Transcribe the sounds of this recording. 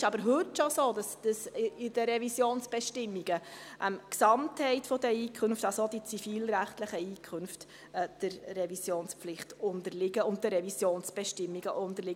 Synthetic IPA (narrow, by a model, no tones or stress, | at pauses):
ɪʃɑbəɾɦɵtʃosoːd̥ɑsd̥əsɪdəɾɛvisjoːnsb̥ɛʃtɪmːiɡ̥əʔəmksɑmthɛɪtfɔdəiːkʰɵnftɑsod̥it͡sifiːlɾæχtləχəiːkʰχɵnftː | d̥ɪɾrɛvisjoːnspflɪχtʊndəɾlɪɡəʊnt̚dəɾɛvisjoːnsb̥ɛʃtɪmːiɡ̥əʔʊndəɾlɪɡ